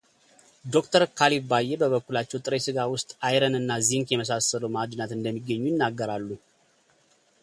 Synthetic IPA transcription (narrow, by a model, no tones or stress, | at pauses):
d̪o̞kt̪ʰəɾkʰalifbajːebəβəkːulat͡ʃːɛwt̪ʼɾesɨɡawʊst̪ʼajɾənɨnːaziŋkjɛməs̬asələwmad̪nat̪ɨnd̪əmːiɡːəɲːujɪnːaɡːəɾalːu